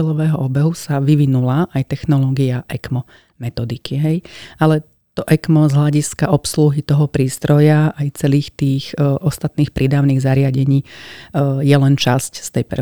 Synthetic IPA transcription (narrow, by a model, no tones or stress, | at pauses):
ɛlɔʋɛːɦɔɔbɛɦusaʋiʋinulaʔajt̪ɛxnɔlɔːɡiaʔɛkmɔ | mɛt̪ɔd̪ikiɦɛjalɛ | t̪ɔʔɛkmɔzɦlaɟiskaʔɔpsluɦit̪ɔɦɔpɾiːst̪ɾɔjaajt͡sɛliːxt̪iːxʔɔst̪at̪niːxpɾʔid̪aːʊniːɣzaɾɪaɟɛɲiː | jɛlɛnt͡ʃascst̪ɛjpɛ̰